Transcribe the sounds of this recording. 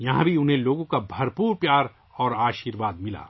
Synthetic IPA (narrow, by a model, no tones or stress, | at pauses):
jɐɦã̰bʱiʊnɦẽloːɡõkabʱɐɾpuːɾpjaːɾ | ɔːɾaːʃiːɾʋaːd̪̚mɪla̰ː